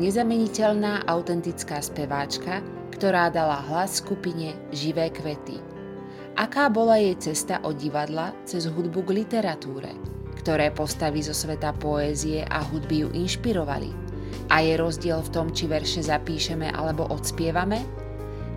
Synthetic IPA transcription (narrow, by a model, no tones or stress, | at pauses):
ɲɛzamɛɲicɛʎnaːʔaʊt̪ɛnt̪it͡skaːspɛʋaːt͡ʃka | kt̪ɔɾaːd̪alaɦlasːkupiɲɛ | ʒiʋɛːkʋɛt̪ḭ | ʔakaːbɔlajɛjt͡sɛst̪aʔɔɟiʋad̪lat͡sɛzɦud̪buɡlit̪ɛɾat̪uːɾɛ̰ | kt̪ɔɾɛːpɔst̪aʋiːzɔsʋɛt̪apɔɛːziɛʔa̰ɦud̪bijṵʔinʃpiɾɔʋa̰lḭ | ʔajɛɾɔzɟɪɛlft̪ɔmt͡ʃiʋɛɾʃɛzapiːʃɛmɛ̰ʔa̰lɛbɔʔɔt̪spɪɛʋamɛ